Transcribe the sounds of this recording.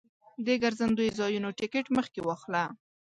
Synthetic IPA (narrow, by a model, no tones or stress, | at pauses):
d̪əɡaɾzand̪ojozɑjunoʈɪkeʈməxkewɑxla